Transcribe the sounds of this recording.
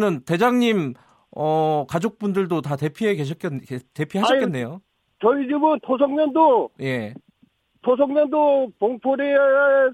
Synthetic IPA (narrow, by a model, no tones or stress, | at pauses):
nɯnte̞d͡ʑaŋɲim | ʌkad͡ʑok̚p͈undɯɭdotate̞pʰiɦeɡeɕ̬ʰʌk͈te̞pʰiɦaʌkk͈enːe̞jo | t͡ɕʌid͡ʑibɯntʰosʰʌŋɲʌndoje̞ | tos̬ʰʌŋɲʌndopoŋpʰoɾi